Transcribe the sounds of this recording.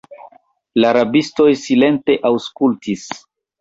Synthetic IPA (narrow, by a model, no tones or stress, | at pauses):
laɾabisto̞jsile̞nte̞ʔawskultis